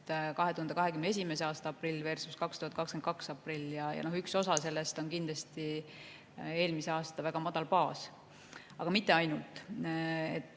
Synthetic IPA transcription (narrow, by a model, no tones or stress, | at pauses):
t̪kɑɦeuhɑnd̪ekɑɦe̞kymnee̞s̬ʲime̞seɑːst̪ɑɑpˑrilʲːve̞rsuskɑkst̪uhɑt̪̚kɑkskenkɑksɑpˑrilʲːjɑjɑ̰no̞hykso̞sɑse̞lːest̪o̞nkind̪lɑst̪i | e̞ːlmise̞ɑːst̪ɑvæɡ̥ɑmɑd̪̥ɑlpɑːs | ɑɡ̥ɑmit̪ˑːe̞ɑjnult̪ˑ | ḛt̪ː